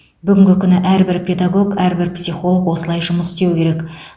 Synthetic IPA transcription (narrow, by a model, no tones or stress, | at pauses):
bʏɡʲɪŋʲɡʲɪkʲʰʏnɪʔæɾbɪɾpʲʰe̞d̪aɡo̞ɡæɾbɪɾpsijχo̞lˠəkwo̞səlˠɑjʒʊməsst̪e̞wkʲʰe̞ɾe̞k